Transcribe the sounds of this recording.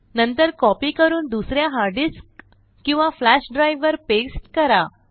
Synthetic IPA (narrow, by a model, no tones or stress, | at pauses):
nənt̪əɾkɔpiːkəɾuːnd̪usɾjaɦaɾɖisk | kĩw̃ʋaflæɕɖɾajʋːəɾpesʈkəɾa